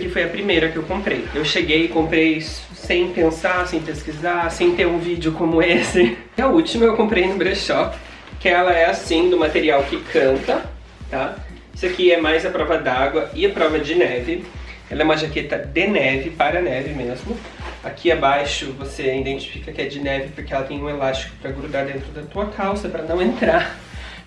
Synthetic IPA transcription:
kifojɐpɾimejɾɐkɪewkõmpɾejewʃeɡejɪkõmpɾejisʊ̥sẽj̃pẽsasẽj̃peskizasẽj̃t̪eɾũvid͡ʒɪʊkõmʊesɪ | ɐut͡ʃimʊewkõmpɾejnʊbɾeʃɔp | kɪɛlɐɛasĩd̪ʊmat̪eɾiawkɪkʰɐ̃nt̪ɐ | t̪a | isɪakiɛmajzɐpɾɔvɐd̪aɡwɐɪapɾɔvɐd͡ʒɪnɛvɪ | ɛlɐɛũmɐʒaket̪ɐd̪enɛvɪpaɾɐnɛvɪmezmʊ | akʰiabajʃʊvoseid̪ẽnt͡ʃi̥fi̥kɐkɪɛd͡ʒɪnɛvɪpʊɾkeɛlɐt̪ẽj̃ũelast͡ʃi̥kʊ̥pɾɐɡɾud̪aɾd̪ẽnt̪ɾʊd̪ɐt̪uɐkʰawsɐpɾɐnɐ̃w̃ẽnt̪ɾa

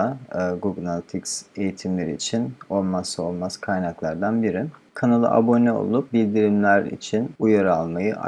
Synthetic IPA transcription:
aɡuɡlˠalʲˠt̪ʰikse̞jit̪ʰimlʲeɾiːt͡ʃʰino̞lˠmaso̞lˠmaz̥kʰajnaklˠaɾd̪anbiɾikʰanalˠɯ̰ʔa̰bo̞nɛo̞̰lˠup̚bilʲd̪iɾimlʲæɾḭt͡ʃʰinujaɾaalˠmajɯʔa̰

